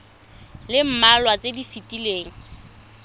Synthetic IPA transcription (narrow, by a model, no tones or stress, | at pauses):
lɪm̩malwat͡sʼedifitʼileːŋ̩